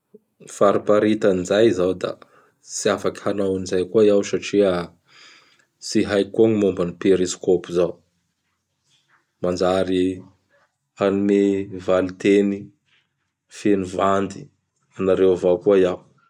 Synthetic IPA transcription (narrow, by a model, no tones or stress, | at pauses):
faɾipaɾit̪anizajzawd̪a̰ | t͡siafaki̥hanawinizajkuaiawsaʈ͡ʂia | siɦajkoŋimombanipeɾiskopuzaw | mand͡ʒaɾi | anumevalit̪eni | fenivand̪i | anaɾewvakuajaw